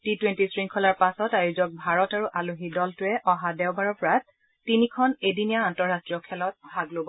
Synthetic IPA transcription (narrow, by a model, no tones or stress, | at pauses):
titwentisɹiŋkʰɔlaɹpasɔtajuzɔk̚bʱaɹɔtaɹuʔaloɦidɔltʊɛʔɔɦadɛʊbaɹɔpɔɹat | tinikʰɔnedinijaantɔɹastɹijɔkʰːɛlɔt̚bʱaɡlobɔ